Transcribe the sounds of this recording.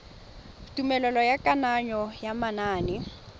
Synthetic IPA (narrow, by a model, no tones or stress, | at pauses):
tʼumɛlɛlɔjakʼanaɲɔjamanaːnɪ